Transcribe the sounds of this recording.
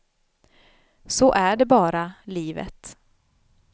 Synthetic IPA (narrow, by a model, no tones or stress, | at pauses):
sɔʔæɖɛbɑːɾaliːvə̰t̪